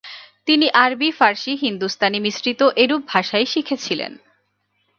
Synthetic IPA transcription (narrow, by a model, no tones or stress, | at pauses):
t̪iniʔaɾbifaɾʃiɦind̪ust̪ʰanimisɾit̪oʔeɾub̚ʱaʃajʃikʰet͡ɕʰilḛn